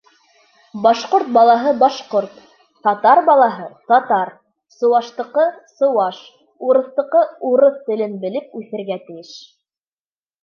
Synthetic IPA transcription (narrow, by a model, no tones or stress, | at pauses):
bɑʃqoɾt̪̚bɑlˠɑɦɤbɑʃqoɾt̪ | t̪ɑt̪ɑɾbɑlˠɑɦɤt̪ɑt̪ɑɾ | sɤ̆wɑʃt̪ɤ̆qɤsɤ̆wɑʃ | uɾɤ̆θt̪ɤ̆qɤuɾɤθt̪ɘ̆lɘnbɘ̆lɘp̚ʉθɘ̆ɾɡæt̪ɘ̆jɘʃ